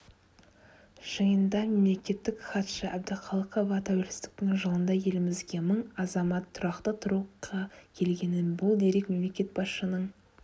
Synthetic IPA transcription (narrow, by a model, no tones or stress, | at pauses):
ʒ̥əjənd̪ɑme̞mle̞kʲe̞t̪ːɪkχɑt̪ʃəʔæb̚d̪ɪqʰɑlˠəqovɑt̪ʰæwelsɪ̥st̪ɪ̥k̚t̪ɪŋʒəlˠənd̪ɑje̞lɪmɪzɡʲe̞məɴɑzɑmɑt̪ʰːʊɾɑqt̪ət̪ʰʊɾuqʰɑkʲʰe̞lɡʲe̞nɪnbʊlˠd̪e̞ɾe̞kme̞mle̞kʲe̞t̪̚bɑsʃənəɴ